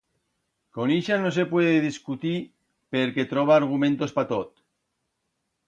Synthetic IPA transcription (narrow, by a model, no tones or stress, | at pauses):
koniʃanos̬epweðeðiskut̪i | peɾket̪ɾoβ̞aːɾɣ̞umẽnt̪ospat̪ot̪